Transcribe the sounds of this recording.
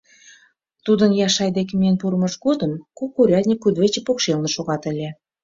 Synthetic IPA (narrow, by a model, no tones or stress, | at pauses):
t̪ud̪ə̆njɑʃɑjd̪ekʲemʲenpuɾəmɤʃɡod̪ə̆mkukːuɾʲɑd̪ʲnʲikud̪βet͡ɕepokʃelnə̆ʃoɣɑt̪ə̆lʲe